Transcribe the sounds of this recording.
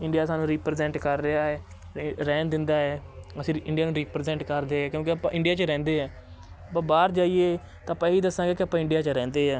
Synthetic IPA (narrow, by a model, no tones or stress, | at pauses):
ɪ̃ɳɖijaːsaːnũːɾiːpɾzɛ̃ːɳʈkəɾɾeaːɦɛː | ɾɛːnd̪ɪnd̪aːɦɛːəsĩːɪ̃ɳɖijaːnũːɾiːpɾezɛ̃ɳʈkəɾd̪eːɦɛːkjõːkiəpã̰ːʔɪ̃ɳɖijaːt͡ʃɾɛ̃ːnd̪eːɦɛː | bəbaːɾd͡ʒaːieː | t̪ãːpãːiːd̪əsːãːɡeːkɪəpːãːɪ̃ɳɖijaːt͡ʃəɾɛ̃ːnd̪eːɦɛː